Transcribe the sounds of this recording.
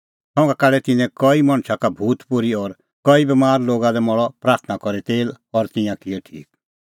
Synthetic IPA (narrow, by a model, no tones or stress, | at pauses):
sɔ̃ːŋɡakaːɖɛt̪ɪ̃nɛ̃kɔimɐ̃ɽ̃t͡ʃʰakabʱuːt̪pʊɾiɔɾ | kɔibɛmaːɾloːɡãd̪ɛmɔɭɔpɾaːɾt̪ʰnakɔɾit̪eːl | ɔɾt̪ɪ̃jãkiɛʈʰḭːk